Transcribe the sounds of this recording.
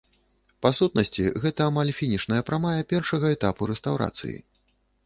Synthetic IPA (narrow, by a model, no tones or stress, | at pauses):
pasut̪̚nɐsʲt͡sʲiɣɛt̪ɐːmalʲfʲinʲiʂnɐjɐpɾamajɐpʲɛrʂɐɣɐɛt̪apuɾɛst̪awɾa̰t̪sɨ̰jḭ